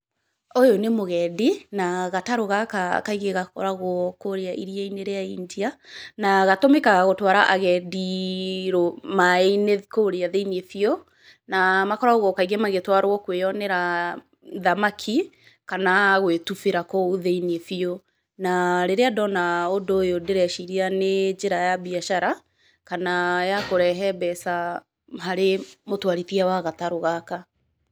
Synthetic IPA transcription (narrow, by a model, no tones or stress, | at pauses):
ojonemoɣɛdinaɣataɾoɣaka̰kaiɣeɣakɔ̰ɾaɣɔkoɾeaʔiɾiaineɾeaiɲd͡ʒianaɣatomekaɣaɣotwaɾaʔaɣɛdiɾomaeinekoɾeaðeiniefiɔ | namakɔɾaɣɔkaiɣɛmaɣetwaɾwɔkweɔnɛɾa | ðamakʰi | kanaɣwetufeɾakɔoðeiniefio | naɾeɾeadɔnaodoːjodeɾɛʃiɾianed͡ʒeɾajabiaʃaɾa | kanajakoɾɛɦɛbɛsa | ɦaɾemotwaɾiθiawaɣataɾoɣaka